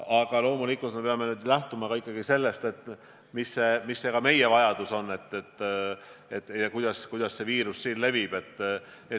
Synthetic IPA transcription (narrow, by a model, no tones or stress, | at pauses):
ɑɡ̥ɑlo̞ːmulikːˑult̪me̞peɑme̞nyːd̪læht̪umɑɡɑikːˑɑɡ̥ise̞lːe̞st̪e̞t̪ːˑ | misːe̞misːe̞kɑme̞je̞vɑjɑd̪̥uso̞nːe̞t̪ːet̪ː | et̪ːjɑkujd̪̥ɑskujd̪̥ɑsse̞viːɾusːiːnle̞vib̥e̞t̪ːˑ | et̪